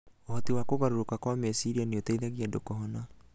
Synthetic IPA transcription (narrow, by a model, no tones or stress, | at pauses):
ohɔtiwakoɣaɾoɾokakwamesiɾianeotaiðaɣiadokɔɦɔna